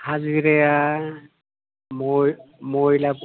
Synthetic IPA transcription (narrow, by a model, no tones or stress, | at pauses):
haziɾɛja | momojlap